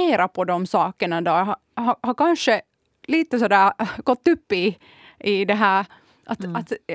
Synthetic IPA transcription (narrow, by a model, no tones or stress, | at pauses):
eːɾapʰɔd̪ɔmsɑːkəɳad̪oː | ɦahaɾkanʂə | liːt̪əsɔd̪æːɾɡ̥ɔt̪ːɵpːɪ | ɪd̪ɛɦæːɾ | ʔat̪at̪